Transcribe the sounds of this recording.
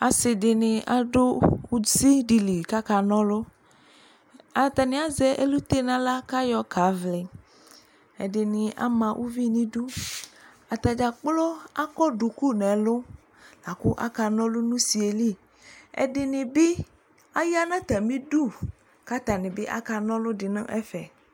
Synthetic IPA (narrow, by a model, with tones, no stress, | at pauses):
a˨sɪ˨dɪ˨nɪ˨ʔa˨dʊ˦u˦si˦di˨li˨ka˦ka˨nɔ̃˦lʊ˦ | a˨t̪a˨nɪ̃˨a˦zɛ˨ʔḛ˦lu˦t̪e˦nã˦la˦ka˦jɔ˦ka˨˦vlɪ˨ | ɛ̰˨dɪ˨nɪ˨ʔa̰˦mã˨ʔṵ˦vi˦nĩ˦du˦ | a˨t̪a˨d͡ʒa˨k͡plɔ˦a˦kɔ˦ɖu˨ku˦nɛ̃˨lʊ˦ | la˨kʊ˦ʔa̰˦ka˨nɔ̃˦lʊ˦nũ˦si˨e˨li˦ | ɛ̰˨dɪ˨nɪ̃˨bɪ˦ | a˦ja˦nã˦t̪a˨mĩ˦du˦˨ | ka˦t̪a˨nɪ̃˨bɪ˦ʔa̰˦ka˨nɔ̃˦lʊ˦dɪ˨nã̰˦ʔɛ̰˦fɛ˨